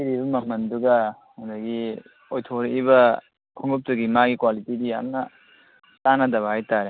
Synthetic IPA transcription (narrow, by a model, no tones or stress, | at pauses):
iɾibɐmɐm̥ɐnduɡɐ | handɐɡi | ojtʰoɾibɐ | kʰɔŋɡup̚tuɡimaɡikwalitidijamnɐ | tanɐdɐβahajtaɾe